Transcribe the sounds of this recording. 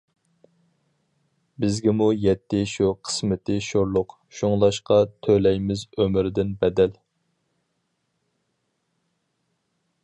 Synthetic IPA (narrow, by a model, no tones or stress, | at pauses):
bɪzɡʲɪmujɛt̪ːɪʃuqʰə̥smɪt̪ɪʃoɾlˠʊq | ʃuŋlˠɑʃqɑt̪ʰølɛjmɪzømɪɾd̪ɪnbɛd̪ɛl